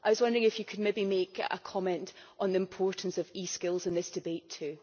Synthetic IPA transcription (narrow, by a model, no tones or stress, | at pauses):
ʔaɪwʌzwʌ̃ndə˞ɪ̃ŋɪfjəkʰəd̚mebimekə̰kʰɔmɛ̃nʔʔn̩ðiɪ̃mpʰɔɹʔn̩səviskɪlˠzɪ̃nðɪsd̥ɪbetʰʉ